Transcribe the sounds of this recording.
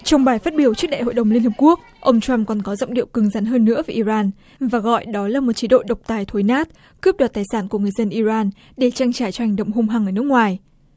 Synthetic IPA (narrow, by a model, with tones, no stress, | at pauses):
t͡ɕɔ˧wŋ͡mɓaː˨˩jfaː˦˥t̚ɓi˧˩əwt͡ɕɨ˦˥k̚ɗa̰ː˧˨jho̰˧˨jɗə˨˩wŋ͡mli˧ənhɨ˨˩p̚ku˦˥ək̚ | ʔə˧wŋ͡mt͡ɕwa˧mkɔ˨˩nkɔ˨˦zɔ̰˧˨wŋ͡mɗḭ˧˨əwkɨ˨˦ŋza˨˦nɦəː˧nːɨ̰˧˥əvə˨˦ʔi˧zaː˧n | vaː˨˩ɣɔ̰˧˨jɗɔ˨˦laː˨˩mo˨˩t̚t͡ɕi˨˦ɗo̰˧˨ɗə˨˩wk͡p̚t̪aː˨˩jt̪ʰo˨˦jnaː˦˥t̚ | kɨ˦˥p̚ɗwaː˨˩t̪aː˨˩jsaː˧˩nku˧˩əŋɨ˨˩əjzə˧nʔi˧zaː˧n | ɗe˧˩t͡ɕa˧ŋt͡ɕaː˧˩jt͡ɕɔ˧ha˨˩ŋ̟ɗə̰˧˨wŋ͡mɦo˧ŋ͡mɦaː˧ŋʔəː˧˩nɨ˦˥kŋwaː˨˩j